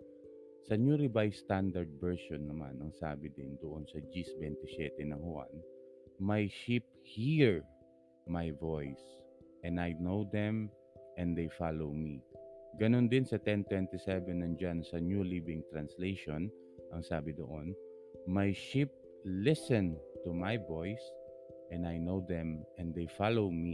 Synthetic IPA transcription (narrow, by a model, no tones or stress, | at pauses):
sɐnuɾɪbajst̪and̪ɐɹd̪̚bɛɹʃonːɐma̰nɐŋsaːbɪd̪ɪnd̪oʔonsɐd͡ʒisbɛnt̪ɪsɛt̪ɛnɐŋhʊʔa̰nmajʃip̚hiɹ | majvojs | ʔɛ̃najnowd̪ɛ̃m | ʔɛ̃nd̪ejfalowmiɡɐnond̪ɪnsɐt̪ɛnt̪wɛnt̪ɪsɛvɛnːɐŋd͡ʒansɐnjulibɪ̃ŋt̪ɾɐnslejʃon | ʔɐŋsaːbɪd̪oʔon | majʃip̚ | lɪsɛ̃nt̪umajvojs | ʔɛ̃najnowd̪ɛ̃mʔɛ̃nd̪ejfalowmi